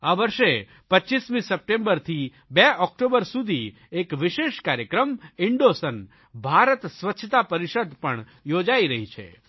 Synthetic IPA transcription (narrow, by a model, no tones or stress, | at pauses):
aʋəɾʃe | pətːʃismĩsəp̚ʈẽmbəɾt̪ʰi | beɔkʈobəɾsud̪ʱi | ekʋɪʃeʃkaɾjəkɾəmɪɳɖosən | bʱaɾət̪sʋətːt͡ʃʰət̪apəɾiʃəd̪pəɳ | jod͡ʒaiɾəɦit͡ʃʰḛ